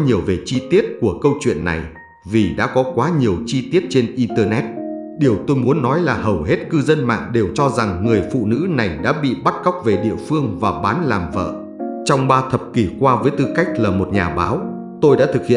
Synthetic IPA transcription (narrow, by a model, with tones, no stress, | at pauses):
ɲi˨˩əwve˨˩t͡ɕi˧t̪i˦˥ət̚ku˧˩əkə˧wt͡ɕwḭ˧˨ənːa̰˨˩j | vi˨˩ɗa̰ː˧˥kɔ˨˦kwaː˨˦ɲi˨˩əwt͡ɕi˧t̪i˦˥ət̚t͡ɕe˧nʔi˧nt̪əː˧nɛ˦˥t̚ | ɗi˨˩əwt̪o˧jmu˨˦ənːɔ˨˦jlaː˨˩ɦə˨˩wɦe˦˥t̚kɨ˧zə˧nma̰ː˧˨ŋɗe˨˩wt͡ɕɔ˧za˨˩ŋːɨ˨˩əjfṵ˧˨nɨ̰˧˥na˨˩jɗa̰ː˧˥ɓḭ˧˨ɓa˦˥t̚ka˦˥wk͡p̚ve˨˩ɗḭ˧˨əfɨ˧əŋvaː˨˩ɓaː˨˦nlaː˨˩mvə̰ː˧˨ | t͡ɕɔ˧wŋ͡mɓaː˧t̪ʰə˨˩p̚ki˧˩kwaː˧vəː˨˦jt̪ɨ˧ka˦˥jk̟̚laː˨˩mo˨˩t̚ɲaː˨˩ɓa̰ː˨˦w | t̪o˧jɗa̰ː˧˥t̪ʰɨ˨˩k̚hḭ˧˨